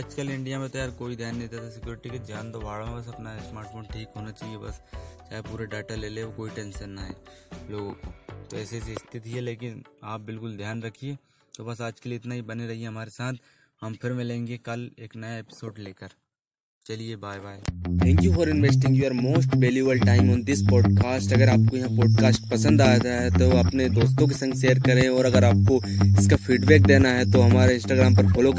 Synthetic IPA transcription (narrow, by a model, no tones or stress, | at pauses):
ɐd͡ʒkəlɪ̃ɳɖijamẽt̪ɐjaːɾkoːid̪ʱjaːnːɐĩt̪at̪ʰasɪkjoːɾɪʈiked̪ʱjaːnt̪oʋaːɭomẽbɐs̬ɐpnasmaːɾʈfʰoːnʈʰiːkɦoːnat͡ʃaːɦiebɐ̰st͡ʃaːɦepuːɾeɖaːʈaleːleʋokoːiʈɛ̃ːnʃənːaɦɛ̰ːloːɡõkot̪oɛːseseɪst̪ʰɪt̪iɦɛleːkɪnaːp̚bɪlkʊld̪ʱjaːnɾɐkʰieː | t̪obɐsaːd͡ʒkeliɪt̪naɦibɐneɾɐɦieɦɐmaːɾesaːt̪ʰ | hɐmfɪɾmẽlẽːŋɡekɐleːknɐjaɛpɪ̥soːɖleːkəɾ | t͡ʃɐliebaːjbaːjt̪ʰɛ̃ːŋkjufɔːɾɪ̃nʋeːsʈɪ̃ŋɡjuːəɾmoːsʈʋeːljubəlʈaːɪmɔ̃ːnd̪ɪspɔːɖkaːsʈɐɡəɾaːp̚kojɐɦãpɔːɖ̚kaːsʈpɐsə̃nd̪aːjad͡ʒaɦɛt̪oɐpned̪oːst̪õk̬esɐ̃ŋɡʃeːəɾkɐɾẽɔːɾɐɡəɾaːp̚koɪskafiːɖbɛːk̚d̪eːnaɦɛt̪oɦɐmaːɾeɪ̃nsʈaːɡɾaːmpɐɾfʰoːlok